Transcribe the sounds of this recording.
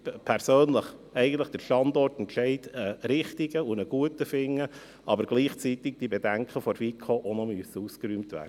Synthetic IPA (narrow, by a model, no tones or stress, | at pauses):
pʰæɾsøːnləχ | ɛɪɡən̩t̪ləχd̥əɾʃtɑndɔrtɛntʃɛɪdəɾɪχtiɡəunəɡ̥uətəfɪŋːə | ʔɑbəɾɡ̥liːχt͡sitɪk̚d̥ibedæŋkχəfɔɾfikʰoʔonɔmyəsəuskəɾyːmtvæ̰ːɾdə